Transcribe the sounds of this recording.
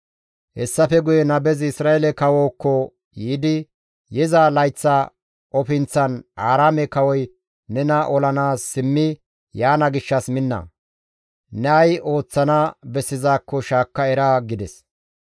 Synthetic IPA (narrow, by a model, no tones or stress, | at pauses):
hɛsːɐfɛɡʊjɛnɐbɛzɪsɾaːelɛkɐwoːkːɔ | jiːd̪ɪ | jɛzaːlɐjt͡sːa | ʔɔfɪnt͡sːɐnʔaːɾaːmɛkɐwɔj | nɛnɐʔɔlɐnaːsːɪmːɪ | jaːnɐɡɪʃːɐsmɪnːɐ̰ | nɛɐjʔo̞ːt͡sːɐnabɛsːɪzaːkːɔʃaːkːɐɛɾaɡɪd̪ɛs